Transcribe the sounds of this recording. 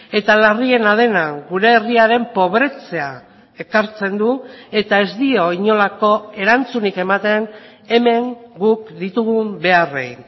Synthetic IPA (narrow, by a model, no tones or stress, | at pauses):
e̞t̪alarie̞nað̞e̞naɡuɾe̞ːriaɾe̞mpo̞β̞ɾe̞t͡se̞a | e̞kaɾt͡se̞nd̪ue̞t̪ae̞zd̪io̞iɲo̞lako̞e̞ɾant͡sunike̞mat̪e̞n | e̞me̞ŋɡukd̪it̪uɣumbe̞arḛin